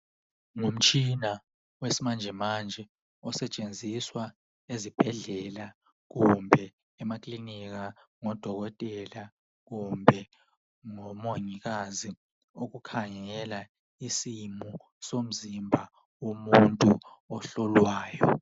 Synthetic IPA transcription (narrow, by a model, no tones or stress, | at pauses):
ŋom̩t͡ʃʰʼina | wesimand͡ʒʱɛmand͡ʒʱɛ | ɔsɛt͡ʃʼend͡zʱiswa | ezib̥ʱɛɮɛla | k̬umbʱɛ | ɛmakʼlinik̬aŋɔd̥ʱɔk̬ɔtʼɛla | k̬umbʱɛ | ŋɔmoŋik̬azi | ok̬ukʰaŋɛla | isimu | som̩zimbʱa | womuntʼu | ɔɬɔlwaːjɔ